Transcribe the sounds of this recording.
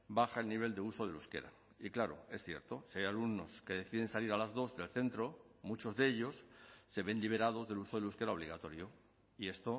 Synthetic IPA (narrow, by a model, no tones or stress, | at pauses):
baxae̞lniβ̞e̞ld̪euso̞ð̞e̞luske̞̰ɾa̰ | iklaɾo̰e̞sθje̞̰ɾt̪o̞siajalumno̞ske̞ð̞e̞θiðe̞nsaliɾalazðo̞zde̞lθe̞nt̪ɾo̞ | mut͡ʃo̞zðeeʎo̞sːe̞βe̞nliβ̞e̞ɾað̞o̞zðe̞luso̞ðe̞luske̞ɾao̞β̞liɣat̪o̞ɾjo | ie̞st̪o